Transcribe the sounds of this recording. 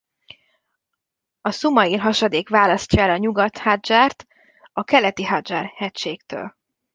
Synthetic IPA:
ɒsumɒilɦɒʃɒd̪eːkʋaːlɒscɒɛlɒɲuɡɒt̪had̪d͡ʒaːrt̪ | ɒkɛlɛt̪iɦad̪d͡ʒarhɛc̪ʃeːkt̪ø̰ːl

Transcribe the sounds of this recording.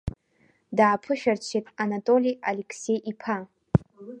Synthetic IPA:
daʕapʰɨʃᶣart͡ʃʷʰetʼanatʼo̞lʲialekʰse̞jʔipʰa

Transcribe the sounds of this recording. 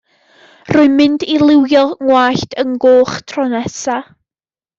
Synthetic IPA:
rʊɨmɪndilˠɪwjɔŋwaːɬtʰəŋɡoːχtʰrɔnɛsa

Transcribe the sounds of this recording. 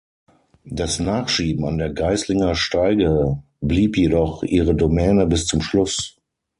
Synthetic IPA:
d̥asnaːχʃiːbm̩andeːɐɡaɪslɪŋɐʃtaɪɡə | bliːpjedɔχʔiːʁədomɛːnəbɪst͡sʊmʃlʊs

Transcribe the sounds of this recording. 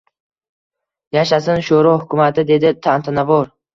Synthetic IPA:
jaʃasɪnʃoɾɒhʊkʲʰʊmat̪ʰɪd̪e̞d̪ɪt̪ʰant̪ʰanavɒɾ

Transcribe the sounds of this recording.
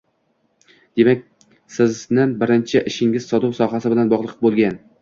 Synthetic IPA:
d̪̥e̞mak̚ʲ | sɪznɪbɪɾɪnt͡ʃʰɪʔɪʃɪŋʲɪz̥sɒd̪ʊwsɒɦasɪbɪlanbɒʁlˠɨqʰp̚bolˠɡʲan

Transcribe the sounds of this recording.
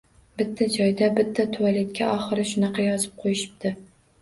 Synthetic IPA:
bɪt̪ʰːad͡ʒɒjd̪abɪt̪ʰːat̪ʰʊwalɪt̪̚kʲʰaʔɒχɨɾɪʃʊnɑqʰɑjɒzɪp̚qʰojɪʃɪ̥p̚t̪ʰɪ

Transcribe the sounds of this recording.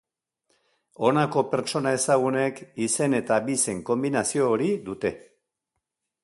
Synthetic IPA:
o̞nako̞pe̞ɾt͡ʃo̞nae̞saɣ̞une̞kise̞ne̞t̪abise̞ŋko̞mbinasio̞ːɾiðut̪e̞

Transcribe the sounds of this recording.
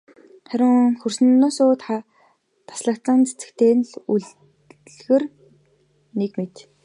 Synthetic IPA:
χæɾʲɪ̆ŋxɵrsɘ̆nːʊsʊːt̪χa | t̪ʰḁsɮə̆kt͡sə̆nt͡sʰe̥t͡sɘ̥̆kt̪ʰeːnɮuɮ | ɮɣɘ̆r | nekmet̪

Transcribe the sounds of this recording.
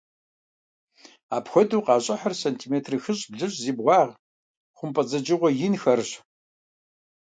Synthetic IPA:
aːpxʷɔduːqɑːɕʼɐħɐrsɐntʰiːmeːtʰrɨxɨɕʼbɮɨɕʼziːbʁʷɑːʁ | χʷʊmpʼɐd͡zɐd͡ʒɪʁʷɔjɪnxɐrɕ

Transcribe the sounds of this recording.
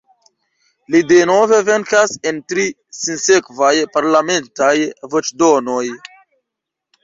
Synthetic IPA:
lideno̞ve̞ve̞ŋkase̞ntɾi | sinse̞kvajpaɾlame̞ntajvot͡ʃdo̞no̞j

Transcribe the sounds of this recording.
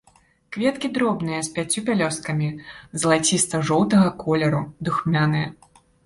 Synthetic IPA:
kvʲɛt̪kʲid̪ɾɔbn̪ɨjɐsʲpʲat͡sʲːupʲalʲɔskɐmʲizɐlˠat͡sʲist̪ɐʐɔwt̪ɐɣɐkʰɔlʲɛɾud̪uxmʲanɨjɐ

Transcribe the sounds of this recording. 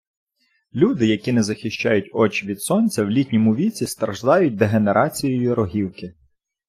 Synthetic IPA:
lʲud̪ɪjɐkʲinɛzɐxʲɪʃʲt͡ʃɑjʊtʲɔt͡ʃʋʲid̪sɔnʲt͡sʲɐwlʲitʲnʲɔmʊʋʲit͡sʲist̪ɾɐʒd̪ɑjʊt̚ʲd̪eɦeneɾʔɑt͡sʲijɔjʊɾɔɦʲiwkɪ

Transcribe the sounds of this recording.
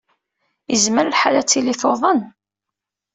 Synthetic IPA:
jəzməɾlħalæt͡sːiliθoðˤən

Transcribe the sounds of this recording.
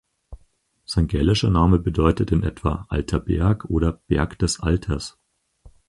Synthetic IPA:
z̥aɪnɡɛlɪʃɐnaːməbədɔʏtətɪnʔɛ̰tv̥a̰ːʔa̰ltʰɐbɛ̰ɐkʰʔoːɾɐb̥ɛɐkd̥ɛsʔaltʰɐs

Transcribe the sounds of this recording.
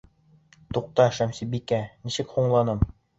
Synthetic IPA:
t̪uq̚t̪ɑʃæmsibikænisɘkhuɴlˠɑnɤm

